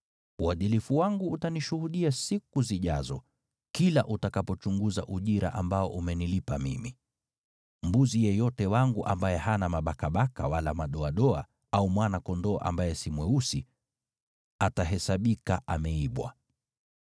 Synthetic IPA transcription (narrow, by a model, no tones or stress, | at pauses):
uwaðilifuwaŋɡuːtaniʃuhuɗiasikuziʄazɔ̰ | kila̰ʔutakapɔt͡ʃuŋɡuza̰ʔuʄiɾa̰ʔambaɔʔumɛnilipamḭmi | m̩buzijɛjɔtɛwaŋɡuʔambajɛhanamaɓakaɓakawalamaɗɔaɗɔa | aumwanakɔndɔːʔa̰mbajɛsimwɛusi | ataɦɛsaɓikaʔamɛiɓwa̰